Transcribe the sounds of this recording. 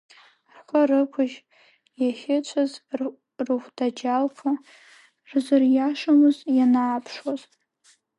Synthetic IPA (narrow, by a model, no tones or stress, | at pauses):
rχʷarɨkʷʰʊʒ | jaχʲɪt͡ʃʷʰaz | rɨχʷdad͡ʒalkʷʰa | rzɨrjaʂamɨzjanaːpʰʂwaz